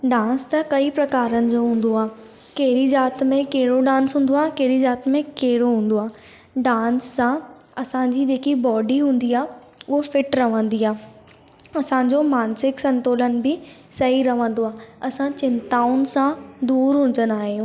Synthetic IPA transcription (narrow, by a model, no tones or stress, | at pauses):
ɖãːnst̪ɐkɐipɾɐkaːɾənɪ̆d͡ʑoɦũːn̆d̪oaː | keɦɪɾizaːt̪mẽkeɦɾoɖãːnsɦũːn̆d̪oaːɦkeɦɾizaːt̪mẽkeɦɪɾoɦũːn̆d̪oaː | ɖãːnsːã | ɐsãɲd͡ʑid͡ʑeːkibɔːɖiɦũːn̆d̪iaː | ʊɦofɪʈɾɐʋə̃nd̪iaː | ɐsãɲd͡ʑoːmaːnsɪksɐ̃nt̪oːlənɪ̆bɪ | sɐɦiɾɐʋə̃nd̪oaːɐsãt͡ɕɪ̃nt̪aːʊnsãd̪uːɾɦũn̆d̪ənaːɦijũː